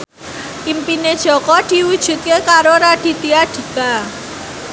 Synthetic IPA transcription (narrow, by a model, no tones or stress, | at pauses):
impined̥ʒ̥ɔ̤kɔd̪̥i̤wud̥ʒ̥ṳt̪̚kekaɾoɾaɖ̥i̤t̪iaɖ̥i̤ka